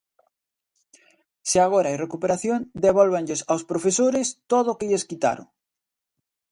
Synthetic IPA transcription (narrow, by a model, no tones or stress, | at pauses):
seaɣ̞oɾaajrekupeɾaθjond̪eβ̞ɔlβ̞eɲʎesawspɾofesoɾest̪oðʊokeʎeskit̪a̰ɾʊ̰ŋ